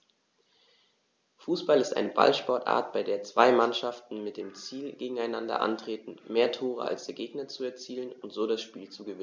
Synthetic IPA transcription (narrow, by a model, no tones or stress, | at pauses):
fuːsb̥alɪstʔa̰ɪnəba̰lʃpɔɐtʔa̰ːɐt̚b̥aɪdeːɐt͡sv̥aɪmanʃaftn̩mɪt̚d̥eːmt͡siːlɡeːɡŋ̩aɪnandɐ̰ʔa̰ntʁ̥eːtn̩meːɐtʰoːʁ̞ə̰a̰lsd̥eːɐɡeːɡnɐt͡suɛɐt͡siːlənʊntz̥oːɾasʃpiːlt͡suɡəvɪ